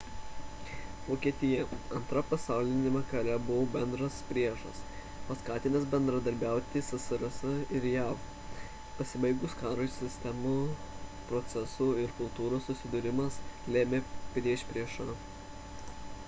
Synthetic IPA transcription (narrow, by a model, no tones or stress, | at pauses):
ʋoːkʲiɛt̪ʲɪjɛɐnt̪ɾɐpɐsɑˑʊlʲɪnʲɛmʲɛkɐlʲɛbʊʋoːbʲɛnd̪ɾɐspʲɾʲiɛʒɐ̰s | pɐskɑːt̪ʲɪnʲɐsbʲɛnd̪ɾɐd̪ɐɾʲbʲæˑʊt̪ʲɪsɐsʲɪɾɐsɐɪɾjæːf | pɐsʲɪbɐɪɡʊskɑːɾosʲɪsʲt̪ʲɛmupɾɔt̪sʲɛsuːɪɾkʊlˠt̪uːɾoːsːʊsʲɪd̪ʊɾʲɪmɐslʲeːmʲeːpʲɾʲiɛʃʲpʲɾʲiɛʃɐ